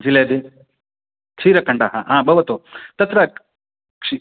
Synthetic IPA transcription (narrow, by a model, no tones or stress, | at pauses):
d͡ʒiled̪i | kʂiːɾɐkɐɳɖaɦa̰ɦãːbʱɐʋɐt̪ut̪ɐt̪ɾɐ | kʂi